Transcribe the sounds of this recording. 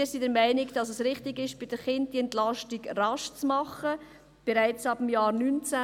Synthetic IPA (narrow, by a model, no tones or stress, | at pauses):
ɪsidəɾmæɪnɪɡd̥ɑsəsɾɪχtɪɡɪʃb̥ɪd̥əχɪnt̚d̥iɛntlɑʃtiɡrɑʃt͡smɑχə | b̥eɾaɪt͡sɑb̥m̩jaːɾnynt͡sæ